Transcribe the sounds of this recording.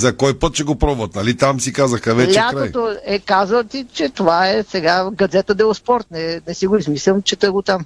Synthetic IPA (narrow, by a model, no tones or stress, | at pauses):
zɐkɔjpət̪̚t͡ʃɛɡopɾɔbvɐt̪̚nɐlit̪amsikazɐxkɐvɛlʲɛatkɾaojt̪oɛkazvət̪it͡ʃɛt̪ovaɛsɛɡaɡɐd̪zɛt̪əd̪ɛospɔɾt̪nɛnɛsiɡʊizmislʲəmt͡ʃɛt̪əɡot̪am